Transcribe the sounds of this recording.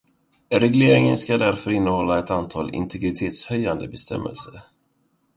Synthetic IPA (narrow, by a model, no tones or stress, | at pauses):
ɾɛɡleːɾɪŋənskad̪æɾfœɾɪnːəhɔlːaɛt̪ant̪ʰɑːlɪ̰nt̪ʰɛɡɾɪt̪ʰeːt̪shœjːand̪əbɛst̪ɛ̰mːɛ̰ə̰lsəɾ